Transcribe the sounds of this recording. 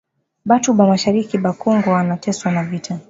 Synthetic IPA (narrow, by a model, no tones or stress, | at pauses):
ɓatuɓamaʃaɾikiɓakɔŋɡɔanatɛswanavitʰa